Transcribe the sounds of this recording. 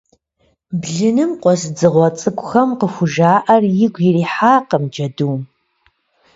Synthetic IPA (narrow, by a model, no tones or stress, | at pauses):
bɮɨnɨmqʷʼɔsd͡zɨʁʷɔt͡sʼɨkʷʼxɐmqəxʷʊʒaːʔɐrjɪɡʷjɪriːħaːqəmd͡ʒɐduːm